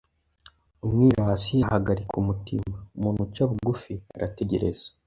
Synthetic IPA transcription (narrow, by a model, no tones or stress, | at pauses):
umŋiːɾasijahaɡaɾikumutimaumuːnhut͡ʃaβuɡufia̰ɾʔa̰te̞ɟe̞ɾe̞̰z̥e̥